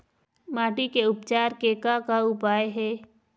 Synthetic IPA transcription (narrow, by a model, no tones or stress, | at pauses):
maːʈikeʊpt͡ʃaːɾkeːkakaʊpaːjɦɛː